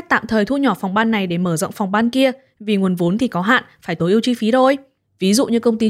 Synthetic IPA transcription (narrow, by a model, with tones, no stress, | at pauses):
t̪a̰ː˧˨mt̪ʰəː˨˩jt̪ʰu˧ɲɔ˧˩fa˨˩wŋ͡mɓaː˧nːa˨˩jɗe˧˩məː˧˩zə̰˧˨ŋ͡mfa˨˩wŋ͡mɓaː˧nki˧ə | vi˨˩ŋu˨˩ənvo˨˦nt̪ʰi˨˩kɔ˨˦ɦa̰ː˧˨nfaː˧˩jt̪o˨˦ʔi˧əwt͡ɕi˧fi˨˦t̪ʰo˧˩j | vi˨˦zṵ˧˨ɲɨ˧kə˧wŋ͡mt̪i˧